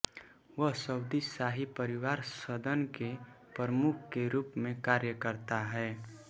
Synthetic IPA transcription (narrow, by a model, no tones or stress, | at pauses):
ʋəɦsəwd̪isaɦipəɾɪwaːɾsəd̪ʱənke | pəɾəmʊkʰkeɾuːpmẽkaːɾjəkəɾt̪aɦɛː